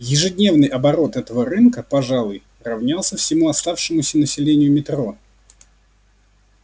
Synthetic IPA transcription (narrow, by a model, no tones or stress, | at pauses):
jɪʐɨdʲnʲe̞vnɨjʔɐbɐɾo̞t̪ɛt̪əvəɾɨnkəpɐʐalˠʊj | rɐvnʲalˠsʲəfsʲɪmuɐst̪afʂɨmʊsʲənəsʲɪlʲenʲɪjʊmʲɪt̪ɾo̞